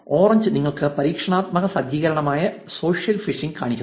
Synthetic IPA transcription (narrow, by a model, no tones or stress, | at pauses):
oːrɐɲd͡ʑɨniŋːɐɭkɨpɐɾiːkʂɐɳaːt̪̚mɐɣɐsɐd̪jiːɣɐɾɐɳɐmaːjɐ | so̞ːʂjɐlfiʂiŋɡka̰ːɳikʲː